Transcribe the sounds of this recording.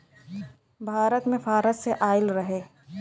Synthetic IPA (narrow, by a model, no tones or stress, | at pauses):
bʱaːɾət̪mẽfʰaːɾəsseʔaːɪlɾɐɦeː